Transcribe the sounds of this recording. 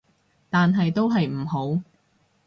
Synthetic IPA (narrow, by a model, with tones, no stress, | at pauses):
t̪aː˨nɦɐ˨jt̪o˥wɦɐ˨jm̩˨˩ɦo˨˥w